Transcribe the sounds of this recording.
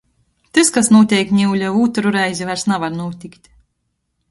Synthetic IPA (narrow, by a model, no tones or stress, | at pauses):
t̪ɨskasnuɔt̪ʲɛjk̚t̪ʲnʲiwlʲauːt̪uɾuɾɛjzʲivaɾsnavaɾnuɔt̪ʲikt̪ʲ